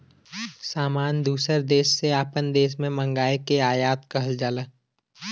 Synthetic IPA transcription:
saːmaːnd̪uːsəɾd̪eːʃːeaːpənd̪eːʃ̬mẽmə̃ŋɡaːekeaːjaːt̪kɐɦəld͡ʒaːləː

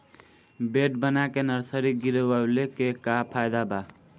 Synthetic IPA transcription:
beʈbənakenəɾsəɾiɡiɾebalekekapʰajd̪aba

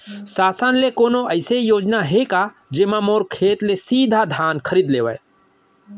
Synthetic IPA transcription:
saːsənlekonoəɪsejoːd͡ʒnaɦeka | d͡ʒemãmoɾkʰeːt̪lesiːd̪ʱad̪ʱankʰəɾid̪leːʋə̰

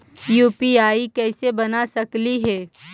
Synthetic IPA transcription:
juːpiaːikɛːsebɐnasɐkliɦɛː

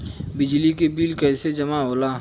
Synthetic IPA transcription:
bɪd͡ʒlikebiːlkɛːsed͡ʒɐmaɦoːlaː

